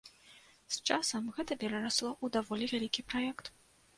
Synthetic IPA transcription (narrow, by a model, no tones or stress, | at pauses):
st͡ʂasɐmɣɛt̪ɐpʲɛɾaɾaslˠɔʔud̪avɔlʲivʲalʲikʲipɾajɛkt̪